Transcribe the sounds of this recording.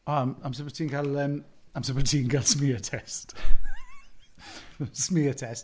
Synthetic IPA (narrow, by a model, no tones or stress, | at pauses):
ɔamãɪ̃msəbɹətʰiːnɡaləm | ãɪ̃msəbɹətʰiːnɡalˠsmiətʰɛst | smiːətʰɛst